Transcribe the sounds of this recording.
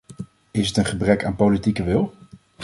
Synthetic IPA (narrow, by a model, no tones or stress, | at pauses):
ɪsətənχəbrɛkaːnpolitikəʋɪlˠ